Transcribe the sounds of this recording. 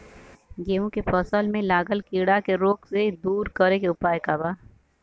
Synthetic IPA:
ɡeːʋũkepʰɔːsəlmẽlaːɡəlkiːɽakeɾoːksed̪uːɾkəɾekeʊpaːekabaː

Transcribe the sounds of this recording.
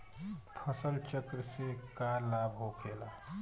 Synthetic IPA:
pʰəsəlt͡ʃəkɾəsekalabʱɦokʰela

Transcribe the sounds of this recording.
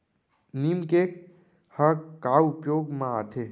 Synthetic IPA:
nimkek | həkaːʊpjoːɡmãat̪ʰeː

